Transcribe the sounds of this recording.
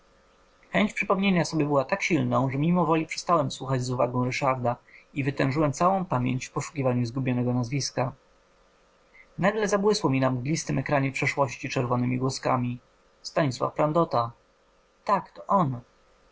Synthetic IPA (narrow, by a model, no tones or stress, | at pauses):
xɛɲt͡ɕpʂɘpɔmɲeɲasɔbʲjɛbɘwat̪akɕilnɔ̃w̃ʐɛmʲimɔvɔlʲipʂɛ̥st̪awɛmswuxad͡ʑzuva̰ɡɔ̃w̃ɾɘʂaɾd̪aivɘt̪ɛ̃w̃ʐɘwɛmt̪sawɔ̃w̃pamʲjḛɲt͡ɕfpɔʂu̥kʲivaɲuzɡubʲjɔnɛɡɔnazvʲiska | naɡlɛzabwɘswɔmʲinamɡlʲist̪ɘmɛkɾaɲɛpʂɛʂwɔɕt͡ɕit͡ʂɛɾvɔnɘmʲiɡwɔska̰mʲi | st̪aɲiswa̰fpɾand̪ɔt̪a | t̪akt̪ɔʔɔn